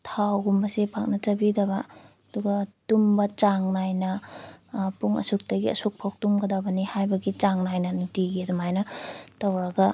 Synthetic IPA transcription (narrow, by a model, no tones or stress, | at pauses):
tʰawɡumbɐsepʰak̚nɐt͡ʃɐbidɐβa | duɡɐtumbɐt͡ʃaŋnajnɐ | puŋɐ̰suk̚tɐɡiɐ̰suk̚pʰawk̚tumɡɐdabɐnihajbɐɡit͡ʃaŋnajnɐnutiɡiɐdumajnɐtɐwɾɐɡɐ